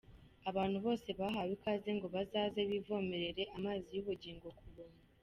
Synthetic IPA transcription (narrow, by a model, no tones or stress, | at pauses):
aβaːnhuβo̞ːse̞βaɦawikazeŋɡo̞βazaːzeβivo̞ːme̞ɾe̞ɾe̞ʔamaːzijuβuɟiːŋɡo̞kuβuːna